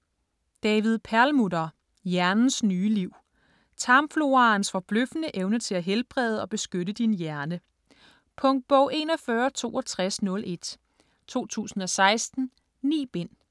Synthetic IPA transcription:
d̥ɛːʋið̞ˠpʰæɐlmudɐ | jæɐnn̩snyːliʊ̰ | t͡sʰɑ̈mflo̝ɑ̈nsfɒ̽b̥løfənəʔeʊnət͡sʰe̝læɦelb̥ʁɛð̞ˠɒ̽b̥e̝sɡ̥øɾəd̥injæɐnə | pʰɔ̽ŋd̥̚b̥ɔʊ̰ʔe̝̰ːnɒ̽fɶːɐt͡sʰo̝̰ːɒ̽t͡sʰʁasnɔ̽lʔe̝d̥ | t͡sʰo̝̰ːt͡sʰṵːsn̩ɒ̽sɑ̈ɪsd̥n̩ | nḭːb̥e̝n̰

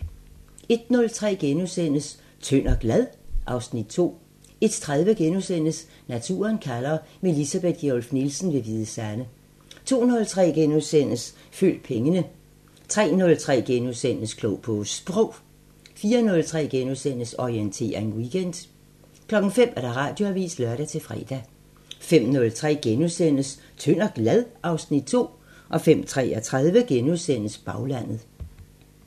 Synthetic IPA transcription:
e̝d̥nɔ̽lt͡sʰʁɛ̰ːɡ̥enusen̰əs | t͡sʰøn̰ɐɡ̥læðˠʔɑ̈ʊsnid̥̚t͡sʰo̝̰ː | e̝d̥t͡sʰʁað̞ˠʋəɡ̥enusen̰əs | næt͡sʰṵːɐnkʰælɐme̝lisæb̥e̝d̥̚ɡ̥eɔlfnilsn̩ʋe̝ʋiːðˠəsæɐnə | t͡sʰo̝̰ːnɔ̽lt͡sʰʁɛ̰ːɡ̥enusen̰əs | fø̰ːld̥̚pʰeŋənə | t͡sʰʁɛ̰ːnɔ̽lt͡sʰʁɛ̰ːɡ̥enusen̰əskʰlɔʊpʰɔsb̥ʁɔʊ̰ | fiːɐnɔ̽lt͡sʰʁɛ̰ːɡ̥enuðˠsen̰əsɒient͡sʰe̝̰ːɐe̝nwiɡ̥en̰d̥ | kʰlɒ̽ɡ̥ŋ̩fem̰æɐɾ̥ɑ̈ʁɑ̈ːd̥jo̝æʋḭːslɶɐɾ̥æt͡sʰe̝lfʁɛ̰ːd̥æ | fem̰nɔ̽lt͡sʰʁɛ̰ːɡ̥enusen̰əs | t͡sʰøn̰ɐɡ̥læðˠɑ̈ʊsnid̥̚t͡sʰo̝̰ː | ʔɒ̽fem̰t͡sʰʁɛ̰ɒt͡sʰʁað̞ˠʋəɡ̥enuðˠsen̰əsb̥ɑ̈ʊlæn̰ð̩ˠ

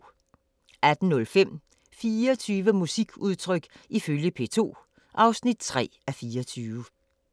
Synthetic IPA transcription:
æd̥n̩nɔ̽lfem̰ | fiːɐɒt͡sʰyːʋəmusiɡ̥uðˠt͡sʰʁœɡ̥iføljəpʰe̝̰ːt͡sʰo̝̰ː | ʔɑ̈ʊsnid̥t͡sʰʁɛ̰ːæfiːɐɒt͡sʰyːʋə

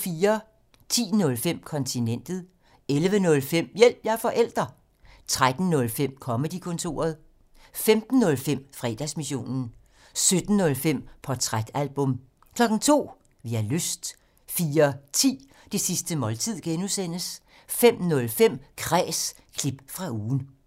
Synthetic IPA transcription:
fiːɐ | t͡sʰḭːnɔ̽lfem̰kʰɒ̽nt͡sʰinen̰d̥ð̞̩ˠ | elʋənɔ̽lfem̰jel̰b̥jɑɐfɒ̽ʔel̰d̥ʁɐ | t͡sʰʁad̥n̩nɔ̽lfem̰kʰɒ̽məd̥ikʰɔ̽nt͡sʰo̝̰ːɐð̞ˠ | femd̥n̩ːɔ̽lfem̰fʁɛ̰ːd̥æsmiɕo̝̰ːnn̩ | sød̥n̩ːɔ̽lfem̰pʰɒt͡sʰʁad̥ælb̥ɔ̽m | kʰlɒ̽ɡ̥n̩t͡sʰo̝̰ː | ʋiæløsd̥ | fiːɐt͡sʰḭː | d̥e̝sisd̥əmɒ̽lt͡sʰið̞̰ˠɡ̥enusen̰əs | fem̰nɔ̽lfem̰kʰʁɛːs | kʰlib̥fʁɑ̈uːn̩

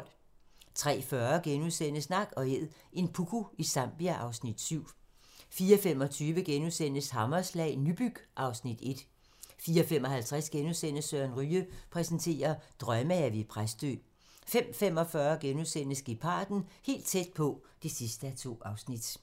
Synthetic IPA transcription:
l̰ | t͡sʰʁɛ̰ːfɶɐɡ̥enusen̰əsnɑ̈ɡ̥ɒ̽e̝ð̰ˠ | e̝npʰukʰuisɑ̈m̰b̥iæʔɑ̈ʊsnid̥syʊ̰ | fiːɐfem̰ɒ̽t͡sʰyːʋəɡ̥enusen̰əshɑ̈mɐslɛ̰ːɪnyb̥yɡ̥ʔɑ̈ʊsnid̥e̝d̥ | fiːɒfemɒ̽hælt͡sʰʁɛsɡ̥enusen̰əsøɐnʁyːəpʰʁɛsənt͡sʰe̝̰ːɐd̥ʁɶməæʋepʰʁasd̥ø̰ː | fem̰fem̰ɒ̽fɶːɐɡ̥enusen̰əsɡ̥ipʰɑ̰̈ːd̥n̩he̝̰ːld̥̚t͡sʰed̥̚pʰɒ̽d̥isisd̥əæt͡sʰo̝̰ːɑ̈ʊsnid̥

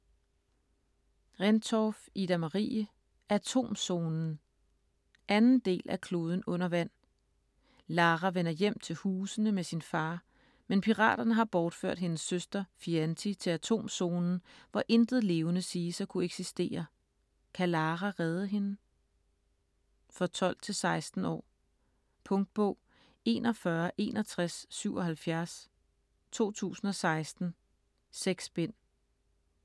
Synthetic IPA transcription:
ʁent͡sʰɒfid̥æmɑʁḭːə | ʔæt͡sʰo̝̰ːmso̝ːnn̩ | ʔænn̩d̥e̝̰ːlʔækʰlo̝ːð̞ˠən̩ɔ̽n̰ɐʋæn̰ | lɑ̈ːʁæʋenɐjem̰t͡sʰe̝lhuːsənəmesinfɑ̈ː | menpʰiʁɑ̰̈ːd̥ɐnəɦɑ̈b̥ɒːd̥fø̰ɐ̰d̥ɦe̝nəsːøsd̥ɐfiænt͡sʰit͡sʰe̝læt͡sʰo̝̰ːmso̝ːnn̩ʋɒʔe̝nd̥ð̩ˠle̝ːʊnəsiːsɒkʰueɡ̥sisd̥e̝̰ːɐ | kʰælɑːʁæʁɛðˠəɦe̝nə | fɒ̽t͡sʰɒ̽l̰d̥̚t͡sʰe̝lsɑ̈ɪsd̥n̩ɒ̰ː | pʰɔ̽ŋd̥̚b̥ɔ̽ʊ̰ | e̝̰ːnɒ̽fɶɐʔe̝̰ːnɐt͡sʰʁasːyʊ̰ɒ̽ɦælfjæɐs | t͡sʰo̝̰ːt͡sʰṵːsn̩ɒ̽sɑ̈ɪsd̥n̩ | seɡ̥sb̥en̰

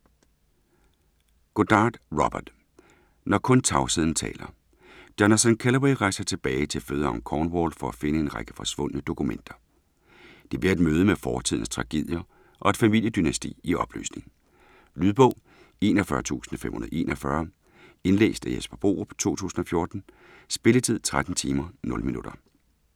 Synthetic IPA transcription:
ɡ̥od̥ɑ̈ːd̥ʁɒb̥ɐd̥ | nɒkʰɔ̽nt͡sʰɑ̈ʊsið̞̰ˠn̩t͡sʰɛ̰ːlɐ | d̥ɒnɐsænkʰælɐbiʁɑ̈ɪsɐt͡sʰe̝b̥ɛːɪt͡sʰe̝lføːð̞ˠɐɒ̽ŋkʰɒːnʋɒːl̥fɒ̽æfe̝nəe̝nʁɑɡ̥əfɒ̽sʋɔ̽n̰ənəd̥o̝kʰumen̰d̥ɐ | d̥e̝b̥liɐed̥møːð̞ˠəmefɒːt͡sʰið̰ˠn̩st͡sʰʁɑ̈ɡ̥e̝ð̰ˠjɐ | ʔɒ̽e̝d̥fæmil̰jəd̥ynæsd̥ḭːiɒ̽b̥ly̰ːsne̝ŋn̩ | lyðˠb̥ɔ̽ʊ̰ | e̝̰ːnɒfɶɐt͡sʰṵːsn̩femhunɐðˠe̝̰ːnʔɒfɶɐ | e̝nlḛːsd̥æjesb̥ɐb̥o̝̰ːb̥ʰt͡sʰo̝̰ːt͡sʰṵːsn̩ɒ̽fjo̝ɐd̥n̩ | sb̥e̝lət͡sʰið̞̰ˠt͡sʰʁad̥n̩t͡sʰiːmɐnɔ̽lminuɾ̥ɐ

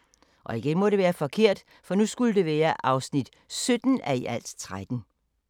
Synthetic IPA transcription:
ʔɒ̽iɡ̥enmɒ̽ɾe̝ʋæːɐfɒ̽kʰe̝ɐ̰d̥ | fɒ̽nusɡ̥uləd̥e̝ʋæːɐʔɑ̈ʊsnid̥ | sød̥n̩æiʔæl̰d̥t͡sʰʁad̥n̩

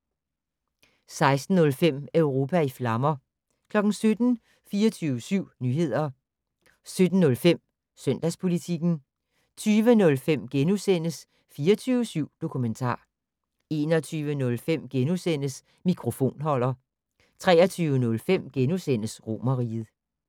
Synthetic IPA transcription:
sɑ̈ɪsd̥n̩ːɔ̽lfem̰øʊʁo̝ːpʰæiflɑ̈mɐ | kʰlɒ̽ɡ̥n̩sød̥n̩ | fiːɐt͡sʰyːʊəsyʊ̰nyːɦe̝ð̞̰ˠɐ | sød̥n̩ːɔ̽lfem̰ | sœn̰d̥æspʰo̝lit͡sʰiɡ̥n̩ | t͡sʰyːʋənɔ̽lfem̰ɡ̥enusen̰əs | fiːɐt͡sʰyːʊəsyʊ̰d̥o̝kʰument͡sʰɑ̰̈ː | e̝ːnɒt͡sʰyːʋənɔ̽lfem̰ɡ̥enusen̰əs | mikʰʁo̝fo̝̰ːnɦɒ̽l̰ɐ | t͡sʰʁɛ̰ːɐt͡sʰyːʊənɔ̽lfem̰ɡ̥enusen̰əsʁo̝̰mɐʁḭð̩ˠ

